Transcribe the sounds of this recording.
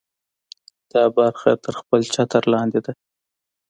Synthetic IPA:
d̪̥ɑbaɾxa̰t̪əɾxpəlt͡ʃɑt̪əɾlɑnd̪ed̪a

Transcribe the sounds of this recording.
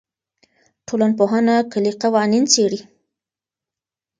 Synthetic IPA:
ʈʰolanpoɦanakəliqawɑnint͡seɽi

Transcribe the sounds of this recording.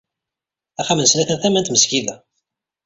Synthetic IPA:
æχæmənsnæθənθæmænt̪məskiðæ

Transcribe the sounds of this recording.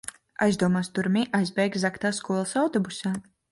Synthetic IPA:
ajzd̪uɔmaːst̪uɾmiʔajzbɛjɡzakt̪aːskuɔlˠsawt̪ɔbusaː

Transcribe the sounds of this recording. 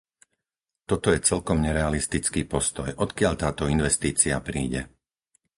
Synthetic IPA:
t̪ɔt̪ɔjɛt͡sɛlkɔmɲɛɾɛalist̪it͡skiːpɔst̪ɔjʔɔt̪kɪaʎt̪aːt̪ɔinʋɛst̪iːt͡siapɾiːɟɛ̰

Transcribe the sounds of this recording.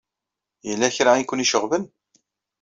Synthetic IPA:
jəlːæçɾainkʷːəniʃəʁvən

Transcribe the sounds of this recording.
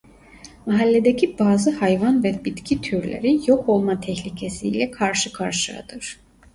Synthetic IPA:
maɦalʲːed̪ecʰibaːzɯhajvanvɛbit̪cʰit̪ʰyɾlʲḛɾijo̞kʰo̞lˠmat̪ʰɛçlʲicʰesiːlʲɛkʰaɾʃɯkʰaɾʃɯa̰d̪̥ɯɾ̥

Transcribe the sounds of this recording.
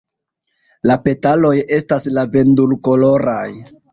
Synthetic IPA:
lape̞talo̞je̞staslave̞ndulko̞lo̞ɾaj

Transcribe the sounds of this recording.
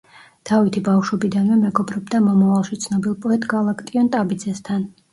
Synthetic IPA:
t̪ʰavit̪ʰibafʃwɛbid̪anvɛmɛɡɔbɾɔbd̪amɔmavalˠʃit̪sʰnɔbilˠpʼɔɛt̪ʼɡalˠakʰt̪ʼiɔnt̪ʼabid̪zɛst̪ʰan

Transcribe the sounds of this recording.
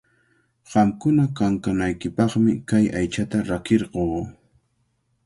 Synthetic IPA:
ɢ̥ɑmkʊnakaŋkanajkɪpɑχmɪkajajt͡ʃat̪aɾakeɾɢoː

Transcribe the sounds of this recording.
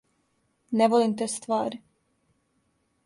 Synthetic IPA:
nɛvolimt̪ɛst̪vaːɾ

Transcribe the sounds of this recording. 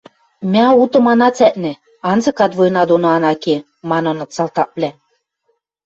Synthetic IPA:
mʲæɑut̪ɤ̆mɑnɑt͡sæʔ̪nĕ | ɑnzɤ̆kɑt̪vojnɑd̪onoɑnɑke | mɑnɤ̆nɤ̆t͡sɑlt̪ɑʔ̚βlʲæ

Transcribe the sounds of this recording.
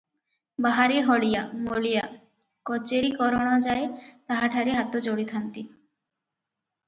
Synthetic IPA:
baɦaɾeɦɔɭijamoɭija | kɔt͡ɕeɾikɔɾoɽad͡ʑaet̪aɦaʈʰaɾeɦat̪od͡ʑoɽit̪ʰant̪i

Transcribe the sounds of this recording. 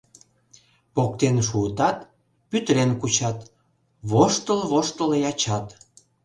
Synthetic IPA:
pok̚t̪enʃ̬uət̪ɑt̪ | pyt̪əɾenkut͡ɕɑt̪ | βoʃt̪əlβoʃt̪əljɑt͡ɕɑt̪

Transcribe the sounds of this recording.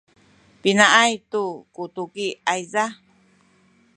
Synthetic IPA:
pinaʔajt̪ukut̪ukiajza

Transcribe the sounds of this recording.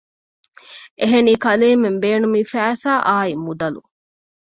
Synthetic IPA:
ʔeɦeniːkɐleːmembeːnumifæːsaːʔaːimːud̪ɐlṵ

